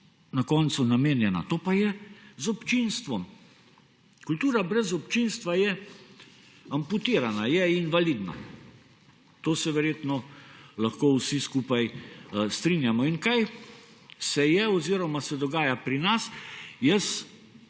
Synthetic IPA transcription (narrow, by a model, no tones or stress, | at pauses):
nakɔnt̪sunameːnjɛna̰t̪oːpajɛzɔpt͡ʃinst̪ʋɔm | kult̪uːɾabɾɛzɔpt͡ʃinst̪ʋajɛ | amput̪iːɾanajɛinʋalid̪na̰ | t̪oːsɛʋɛɾjeːt̪nɔlaxkoːwsiskuːpajst̪ɾinjamɔinkaj | sɛjɛɔziɾɔmasɛd̪ɔɡaːjapɾinasjəs